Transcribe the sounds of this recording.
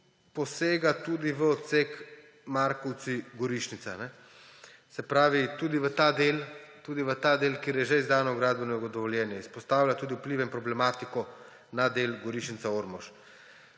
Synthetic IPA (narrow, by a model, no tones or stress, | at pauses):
pɔseːɡat̪uːd̪iʋəɔt̪sek | maɾkɔwt̪siɡɔɾiʃnit̪sanɛ | sɛpɾaːʋit̪uːd̪iʋət̪aːd̪eːlt̪ud̪iʋət̪aːd̪eːlkeːɾjɛʒɛizd̪aːnɔɡɾaːd̪̚bɛnɔɡɔd̪ɔʋɔljɛːnjaispɔst̪aːwlʲjat̪uːd̪iupliːʋɛinpɾɔblɛmaːt̪ikɔ | nad̪eːlɡɔɾiʃnit̪saoɾmɔʃ